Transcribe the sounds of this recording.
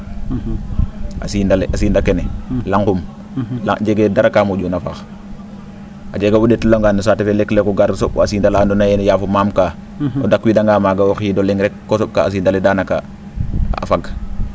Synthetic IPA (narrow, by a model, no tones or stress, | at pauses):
a̰sindaleʔasiːndakenelaŋkum | laɟeɡedaɾakamuɟonafax | ʔad͡ʒeɡabudetloŋɡanisaːtefeleklekuɡaɾsoɓasiːndalaːndonajɛnjaːfumaːmka | odakwidaŋɡaːmaːɡawoxidolɛŋɾɛkːosop̚ka̰ːs̬iːndaledaːnaka̰ | faɡ